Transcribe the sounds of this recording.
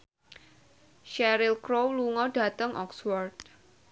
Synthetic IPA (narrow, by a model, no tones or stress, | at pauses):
ʃɛɾɪlkɾowluŋɔɖ̥ä̤t̪əŋʔɔ̰kswɔrd̪̚